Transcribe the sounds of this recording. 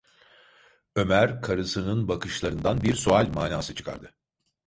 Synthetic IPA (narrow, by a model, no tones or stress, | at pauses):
ø̞mæɾkʰaɾɯsɯnɯnbakɯʃlˠaɾɯnd̪anbiɾsoalʲmaːnaːsɯt͡ʃʰɯ̥kʰa̰ɾd̪ɯ